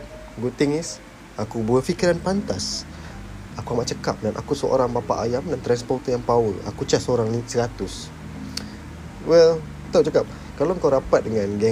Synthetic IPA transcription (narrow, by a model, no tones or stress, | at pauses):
ɡut̪iŋis | akubuəfikiɾanpant̪as | akuamaʔt͡ʃəkap̚danʔa̰kusəo̰ɾaŋbapa̰ʔajamdant̪ɾanspɔrt̪əjaŋpaula̰kut͡ʃasoɾaŋnĩsəɾat̪us | wɛl | t̪awt͡ʃakap̚ | kalaəŋkawɾapat̪̚dəŋanɡɛ